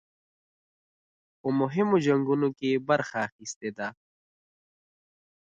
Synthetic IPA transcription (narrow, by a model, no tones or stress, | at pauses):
omʊɦɪmod͡ʑɐŋɡunokebɐɾxaːxist̪ed̪aː